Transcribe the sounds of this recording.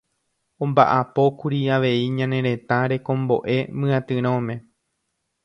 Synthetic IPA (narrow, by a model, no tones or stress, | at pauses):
õmba̰ʔapo̞kuɾiaʋe̞iɲãnẽ̞ɾe̞t̪aɾe̞kõ̞mbo̞ʔe̞mɨ̃ãt̪ɨɾ̃õmẽ̞